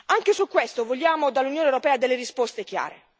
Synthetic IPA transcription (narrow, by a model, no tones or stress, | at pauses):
aŋkesukːwest̪ovoljaːmod̪alːunjoːnewɾopɛːad̪elːeɾispɔst̪ek̟ja̰ːɾḛ